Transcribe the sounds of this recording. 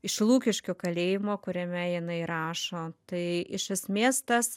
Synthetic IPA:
ɪʃlˠuːkʲɪʃʲkʲoːkɐlʲeːjɪmoːkʊɾʲɛmʲɛjɪnɐɪɾɑːʃoːt̪ɐɪɪʃɐsʲmʲeːst̪ɐs

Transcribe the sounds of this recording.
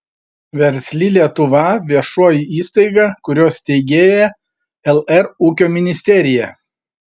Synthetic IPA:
ʋʲɛɾʲsʲlʲiːlʲiɛt̪ʊʋɐʋʲiɛʃuɔjiiːst̪ɐɪɡɑkʊɾʲoːst̪ʲɛɪɡʲeːjɛ | ɛlˠɛɾuːkʲoːmʲɪnʲɪsʲt̪ʲɛɾʲɪjɛ

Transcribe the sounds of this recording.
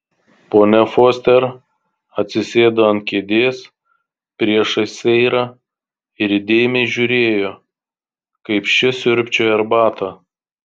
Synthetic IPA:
poːnʲɛfoːsʲt̪ʲɛɾ | ɐt̪ʲsʲɪsʲeːd̪oːɐnt̪̚ʲkʲeːd̪ʲeːs | pʲɾʲiɛʃɐsʲɛɪɾɑ | ɪɾɪd̪ʲeːjɪmʲɛɪʒʲʊɾʲeːjoː | kɐɪpʃʲɪsʲʊɾʲpʲt͡ʃʲoɛɾbɑːt̪ɐ

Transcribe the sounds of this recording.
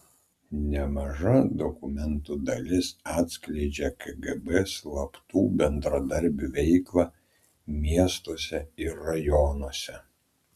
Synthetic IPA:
nʲɛmɐʒɐd̪ɔkʊmʲɛnt̪ud̪ɐlʲɪsɑːt̪ʲsʲklʲɛɪd͡ʒʲɛkɛɡɛbɛslˠɐpt̪uːbʲɛnd̪ɾɐd̪ɐɾʲbʲuʋʲɛɪklˠɑː | mʲiɛst̪oɔsʲɛɪɾːɐjɔnuɔsʲɛ

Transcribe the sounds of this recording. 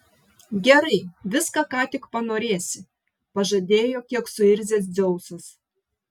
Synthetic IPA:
ɡʲɛɾɐɪʋʲɪskɑkɑːt̪ʲɪkpɐnoːɾʲeːsʲɪ | pɐʒɐd̪ʲeːjoːkʲiɛksʊɪɾʲzʲeːsdd͡z̪ʲɔʊsɐs

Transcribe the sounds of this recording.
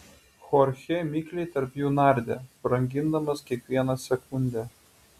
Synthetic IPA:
xɔɾʲxʲɛmʲiklʲɛɪt̪ɐɾpjuːnɑˑɾʲd̪ʲɛːpɾɐŋʲɡʲɪnd̪ɐmɐskʲiɛkʋʲiɛnɐsʲɛkʊnʲd̪ʲæː

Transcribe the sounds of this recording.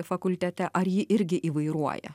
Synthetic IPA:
fɐkʊlʲt̪ʲɛt̪ʲɛʔɐɾjɪʔɪɾʲɡʲɪʔiːʋɐɪɾuɔjɛ̰

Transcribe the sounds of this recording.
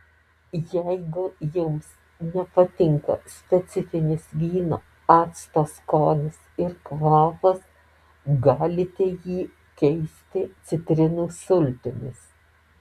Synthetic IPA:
jɛɪɡʊjʊms | nʲɛpɐt̪ʲɪŋkɐ̰sʲpʲɛt̪sʲɪfʲɪnʲɪsʋʲiːno̰ː | ɑːt̪st̪oːskoːnʲɪsɪɾkʋɑːpɐs | ɡɑːlʲɪt̪ʲɛjiː | kʲɛɪsʲt̪ʲɪt̪sʲɪt̪ʲɾʲɪnuːsʊlʲt̪ʲɪnʲɪ̰s

